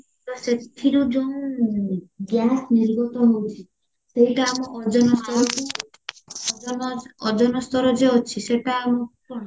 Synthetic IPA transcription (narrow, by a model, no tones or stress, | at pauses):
t̪ɔset̪ʰːiɾud͡ʒõ | ɡjasniɾbɔt̪ɔɦowt͡ʃʰi | seɦiʈaːmɔʔɔd͡ʒɔnɔsɔɾɔku | ɔd͡ʒɔnɔst̪ɔɾɔd͡ʒeɔt͡ʃʰiseʈaːmɔ | ɔ